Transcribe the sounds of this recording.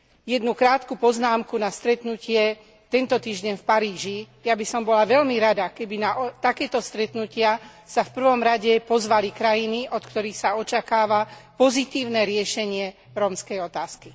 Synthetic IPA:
jɛd̪nukɾaːt̪kupɔznaːmkunast̪ɾɛt̪nucɪɛ | t̪ɛnt̪ɔt̪iːʒɟɛɲfpaɾiːʒi | jabisɔmbɔlaʋɛʎmiɾad̪akɛbinaʔɔt̪akɛːt̪ɔst̪ɾɛt̪nucɪasafpr̩ʋɔmɾaɟɛpɔzʋalikɾajiniʔɔt̪kt̪ɔɾiːxsaɔt͡ʃakaːʋapɔzit̪iːʊnɛɾɪɛʃɛɲɪɛ | ɾɔmskɛjɔt̪aːski

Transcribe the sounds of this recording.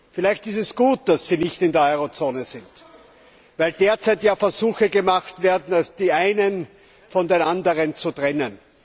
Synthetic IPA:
fɪlæɪçtɪstɛsɡ̥uːt̚d̥asːiːnɪçtɪndeːɐɔʏʁot͡soːnəzɪnt | væɪldeːɐt͡saɪtjaːfɛɐzuːxəɡəmaxtv̥eːɐdn̩alsd̥iːʔaɪnən | fɔndenandəʁənt͡sutʁɛnən

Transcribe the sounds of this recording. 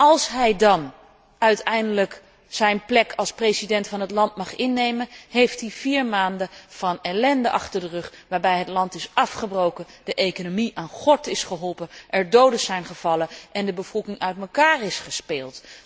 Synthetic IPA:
ɑlˠsɦɛjdɑn | œɥtɛjndələk | sɛjnplɛkʰɑlˠspresidɛntfɑnɦətlɑnt̚mɑχɪnːejmənɦejftɦiviːɹmaːndəv̥ɑnɛlɛndəʔɑχtəɹdərɵχʋaːɹbɛjɦətlɑntɪsɑfχəbrowkənd̥əʔejkonomiʔaːnχɔɹtɪsχəɦɔlˠpənʔɛɹdowdəz̥ɛjnχəv̥ɑləʔɛndəbəv̥ɔlˠkɪŋœɥtməkaːɹɪsχəspeːlˠt

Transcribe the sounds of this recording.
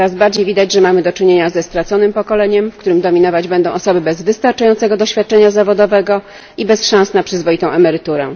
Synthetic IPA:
ɾazbaɾd͡ʑejvʲid̪ad͡ʑʐɛmamɘd̪ɔt͡ʂɘɲeɲazɛst̪ɾat̪sɔnɘmpɔkɔlɛɲɛmfkt̪uɾɘmd̪ɔmʲinɔvad͡ʑbɛnd̪ɔ̃w̃ʔɔsɔbɘbɛzvɘst̪aɾt͡ʂajɔnt̪sɛɡɔd̪ɔɕfʲjat̪̚t͡ʂɛɲazavɔd̪ɔvɛɡɔ | ibɛsʂãñsnapʂɘzvɔit̪ɔ̃w̃ʔɛmɛɾɘt̪uɾɛ̰

